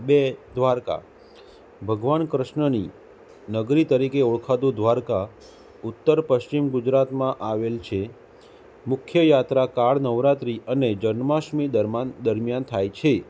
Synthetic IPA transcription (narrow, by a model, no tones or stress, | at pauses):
bed̪ʱʋaɾka̰ | bʱəɡʋankɾəʃɳəni | nəɡɾit̪əɾikeoɭkʰad̪ũd̪ʱʋaɾka | ʊt̪ːəɾpəʃt͡ʃimɡud͡ʒɾat̪mãʔaʋelt͡ʃʰe | mʊkʰjəjat̪ɾakaɭnəʋɾat̪ɾiʔəned͡ʒənmaʃmid̪əɾmand̪əɾmjant̪ʰajt͡ʃʰe